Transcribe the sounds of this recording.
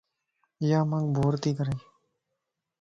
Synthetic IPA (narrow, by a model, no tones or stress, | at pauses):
jaːmãŋɡbʱoːɾt̪iːkəɾeː